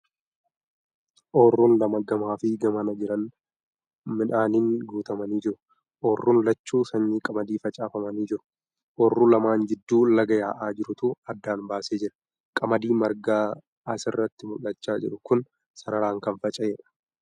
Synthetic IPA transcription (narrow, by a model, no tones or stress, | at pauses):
ʔoːrːuːnlɐmɐɡɐmaːfɪɡɐmɐnɐd͡ʒɪɾɐn | mɪᶑaːniŋɡuːt̪ɐmɐniːd͡ʒɪɾʊ̥ | ʔɔːrːuːnlɐt͡ʃːuːsɐɲːiːkʼɐmɐd̪iːfɐt͡ʃʼaːfɐmɐniːd͡ʒɪɾʊ̥ | ʔɔːrːuːlɐmaːnd͡ʒɪd̪ːuːlɐɡɐjaːʔaːd͡ʒɪɾʊt̪ʊːɐd̪ːaːnbaːseːd͡ʒɪɾɐ̥ | kʼɐmɐd̪iːmɐɾɡaː | ʔɐsɪrːɐt̪ːɪmʊlːɐt͡ʃːaːd͡ʒɪᶑʊkʊn | sɐɾɐɾaːŋkɐnfɐt͡ʃʼɐjeːᶑɐ̥